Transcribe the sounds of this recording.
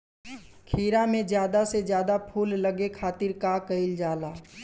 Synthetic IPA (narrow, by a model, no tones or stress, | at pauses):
kʰiːɾamẽd͡ʒjaːd̪ased͡ʒjaːd̪apʰuːlləɡekʰaːt̪ɪɾkakəɪld͡ʒaːlaː